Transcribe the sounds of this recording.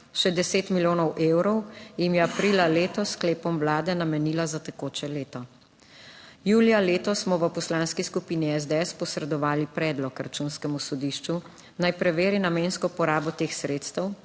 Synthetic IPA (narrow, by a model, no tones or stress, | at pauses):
ʃɛd̪ɛseːt̪miljoːnɔwʔeːwɾɔwjimjɛapɾiːlaleːt̪ɔskleːpɔmwlaːd̪ɛnamɛniːlazat̪ɛkoːt͡ʃɛleːt̪ɔ | juːlijaleːt̪ɔsmɔʋəpɔslaːnskiskupiːniɛzd̪ɛɛspɔsɾɛd̪ɔʋaːlipɾɛːd̪lɔkɾat͡ʃuːnskɛmusɔd̪iːʃt͡ʃu | najpɾɛʋeːɾinameːnskɔpɔɾaːbɔt̪eːxsɾeːt̪st̪ɛw